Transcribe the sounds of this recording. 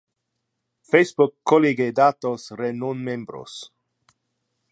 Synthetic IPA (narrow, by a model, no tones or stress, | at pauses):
fejsbukːoliɡed̪at̪osrenonmembɾo̰s